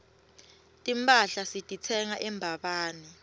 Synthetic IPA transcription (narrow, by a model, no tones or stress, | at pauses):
tʼimpʼaɬasitʼit͡sʰɛŋaʔɛmbʱaɓaːnɛ